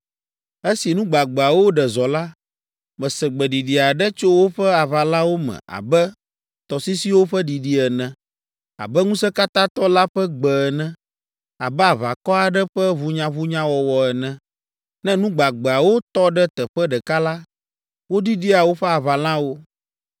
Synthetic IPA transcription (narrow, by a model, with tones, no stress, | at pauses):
e˦si˨nũ˦ɡ͡ba˨ɡ͡bɛ˨a˨wo˦ɖɛ˨zɔ˨la˦ | mɛ̃˨sɛ˨ɡ͡bɛ˨ɖi˨ɖi˨a˨ɖɛ˦t͡ʃo˦wo˦ɸɛ˦a˨va˨lã˦wo˦mɛ̰̃˨a̰˨bɛ˦ | t̪ɔ˨si˦si˦wo˦ɸə˦ɖi˨ɖi˦ɛ˨nɛ̃˨ | a̰˨bɛ˦ŋũ˦sɛ˦ka˦t̪ã˦t̪ɔ˦la˦ɸɛ˦ɡ͡bɛ˨ɛ˨nɛ̃˦ | a˨bɛ˦a˨va˨kɔ˦a˨ɖɛ˦ɸɛ˦βu˦ɲã˦βu˦ɲã˦wɔ˨wɔ˨ɛ˨nɛ̃˦˨ | nɛ̃˦nũ˦ɡ͡ba˨ɡ͡bɛ˨a˨wo˦t̪ɔ˦ɖɛ˦t̪ɛ˨ɸɛ˦ɖɛ˨ka˦la˦ | wo˦ɖi˦ɖi˦a˨wo˦ɸɛ˦a˨βa˨lã˦wo˦